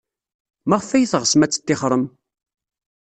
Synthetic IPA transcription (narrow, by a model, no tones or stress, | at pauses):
mæʁfæjθʁəsmæt͡sːə̥t̪ːɪχɾˤəm